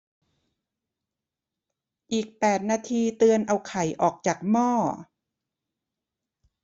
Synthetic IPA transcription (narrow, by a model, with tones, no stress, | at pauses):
ʔiː˨˩k̚pɛː˨˩t̪̚naː˧t̪ʰiː˧t̪ɯ˧ənʔa˧wkʰa˨˩˦jʔɔː˨˩k̚t͡ɕaː˨˩k̚mɔː˥˩